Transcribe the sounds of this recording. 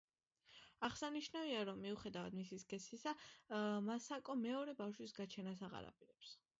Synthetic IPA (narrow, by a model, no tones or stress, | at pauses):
aχsaniʃnaviaɾɔmːiuχɛd̪avad̪misiskʼɛsisamasakʼɔmɛɔɾɛbafʃwisɡat͡ʃʰɛnasaʁa̰ɾa̰pʼiɾɛps